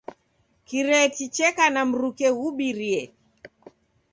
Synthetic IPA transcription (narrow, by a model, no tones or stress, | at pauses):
kiɾɛtit͡ʃɛkanam̩ɾukɛɣuɓiɾiɛ